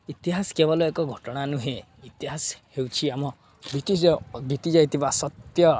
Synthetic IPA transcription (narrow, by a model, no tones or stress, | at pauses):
it̪iɦaskebɔlɔekɔɡʱɔʈɔɽ̃anuɦe | it̪iɦashewt͡ʃʰiamɔ | bit̪ibit̪id͡ʒajt̪ʰibasɔt̪jɔ